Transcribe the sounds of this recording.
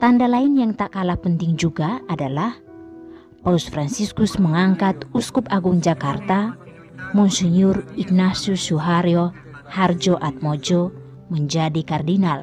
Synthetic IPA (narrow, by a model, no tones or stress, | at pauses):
t̪andalaɪnjaŋt̪aʔkalahpənt̪ɪŋd͡ʒuɡaadalah | pausfɾansiskʊsməŋaŋkat̪uskʊpaɡʊŋd͡ʒakart̪a | mɔnsɛɲʊriɡ̚nasiusuɦaɾiɔ | hard͡ʒɔʔat̪̚mod͡ʒɔ | məɲd͡ʒadikardinal